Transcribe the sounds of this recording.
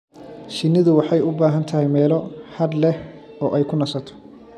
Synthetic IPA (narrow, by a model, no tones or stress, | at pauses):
ʃɪnːɪðʊwɑħɑjʊbaːɦɐnt̪ʰɐɦɛjmɛːlɔhɐd̪lɛhɔːʔɛjkʰʊnɐsɐt̪ʰɔ̥